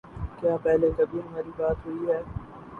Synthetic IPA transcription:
kjaːpɛːlekɐbʱiɦɐmaːɾibaːt̪ɦʊiɦɛː

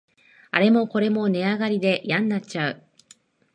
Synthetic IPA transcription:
a̰ɾe̞mo̞ko̞ɾe̞mo̞ne̞aɡaɾʲid̪e̞jãnːat͡ɕaɯ̟

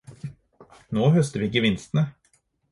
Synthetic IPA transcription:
noːhœst̪əʋiːɪkːəʋɪnst̪nə

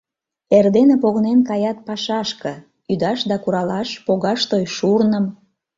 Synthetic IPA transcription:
erd̪enepoɣnenkɑjɑt̪̚pɑʃɑʃkɤ̆ | yd̪ɑʃd̪ɑkuɾɑlɑʃpoɣɑʃt̪ojʃurnəm

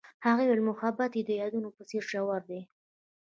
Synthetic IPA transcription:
haɣewelmʊxabat̪jed̪əjɑd̪unopəseɾʒawaɾd̪e

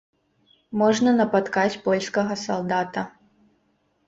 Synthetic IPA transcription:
mɔʐnɐnɐpat̪kat͡sʲpɔlʲskɐɣɐsalˠd̪at̪ɐ

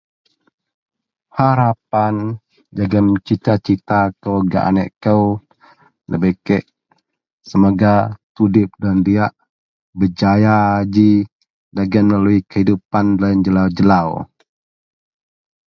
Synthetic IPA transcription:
haɾap̚an | d͡ʒaɡənt͡ʃit̪at͡ʃit̪akəwaɡa̰ʔa̰nɛ̰ʔkəw | nə̰bəkɛʔ | səmoɡat̪udɪp̚dandiaʔ | bəd͡ʒajaːd͡ʒi | daɡənməlaluikəhidupandland͡ʒəlawd͡ʒəlaw

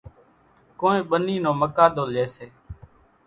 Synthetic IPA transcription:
koːẽːɓəniːnõːməkaːɗ̪oːleːseː

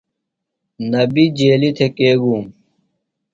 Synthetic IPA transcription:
nɐbid͡ʑeːlit̪ʰekeːɡuːm

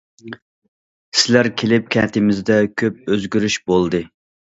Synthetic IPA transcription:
sɪlæɾkʲʰelɪp̚kʲʰɛ̰ːt̪ʰɪmɪzd̪ɛkʲʰøp̚øzɡʲyɾyʃbolˠd̪ɨ

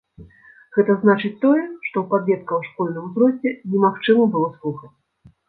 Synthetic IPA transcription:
ɣɛt̪ɐznat͡ʂɨt͡sʲt̪ɔjɛʂt̪ɔwpad̪vʲɛt̪̚kɐwʂkɔlʲnɨmuzɾɔsʲtʲːɛnʲɛmaxt͡ʂɨmɐbɨlˠɔslˠuxɐt͡sʲ

